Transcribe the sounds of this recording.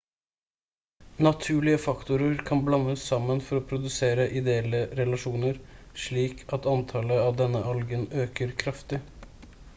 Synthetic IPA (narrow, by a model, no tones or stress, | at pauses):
nɑt̪ʰʉːɭɪəfɑkt̪ʊɾəɾkʰɑnblɑnːəsːɑmːənfɔɾɔpʰɾʊd̪ʉseːɾəʔɪd̪ɛɛlːəɾɛlɑʂuːnəɾʂɭiːkʰɑt̪ɑnt̪ʰɑləɑʋd̪ɛnːəʔɑlɡənøːkəɾkʰɾɑft̪ɪ